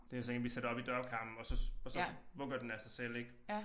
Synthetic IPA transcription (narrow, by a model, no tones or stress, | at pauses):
d̥ejsɒenʋised̥ɒ̽b̥id̥ɶɐb̥̚kʰɑ̈m̰b̥n̩ɒ̽sɒ̽ɒ̽sɒ̽ʋɔ̽ɡ̥ɐd̥enæsɑ̈ɪsel̰e̝ɡ̥